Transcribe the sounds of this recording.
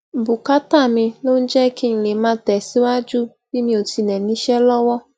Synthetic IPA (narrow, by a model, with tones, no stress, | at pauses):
bʊ˨ka˦ta˦˨mɪ˦lo˦n̩˦d͡ʒɛ˦ki˦n̩˨le˨ma˦tɛ˨si˦wa˦d͡ʒu˦ | bi˦mi˨o˨ti˨ne˨ni˦ʃe˦lɔ˦wɔ˦